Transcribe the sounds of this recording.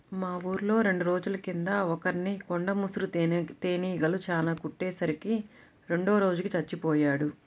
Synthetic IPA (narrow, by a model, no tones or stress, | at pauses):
maːʋuːɾlo̞ːɾe̞ɳɖuɾo̞ːd͡ʒulɐkind̪ɐɔkɐɾnikoɳɖɐmusuɾut̪e̞ːniːɡɐlut͡ʃaːlaːkuʈːɛːsɐɾiki | ɾe̞ɳɖoːɾo̞ːd͡ʒukit͡ʃɐt͡ʃːipɔːjaːɽu